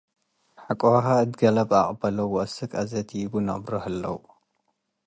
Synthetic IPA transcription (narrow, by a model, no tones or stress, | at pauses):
ħakʼowɦaɨd̪ɡɐlɐbaχʼbɐlɐwʔɐsɨkʼɐzɐt̪ʰjbunɐ̰bɾohɐlːɐ̰wu